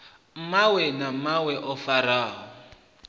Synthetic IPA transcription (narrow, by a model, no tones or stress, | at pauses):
mawɛnamawɛʔɔfaɾaːɦɔ